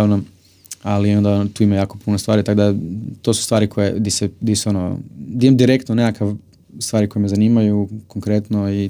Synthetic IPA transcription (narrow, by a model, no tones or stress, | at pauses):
aʋna | alio̞nd̪at̪uːimajaːko̞punost̪ʋaːɾit̪akd̪at̪o̞su̥st̪ʋaːɾikʰojḛd̪ised̪isonod̪iemd̪iɾekt̪nonekakaʋ | st̪ʋaːɾiko̞jeme̞zaniːmajukoŋkɾet̪noi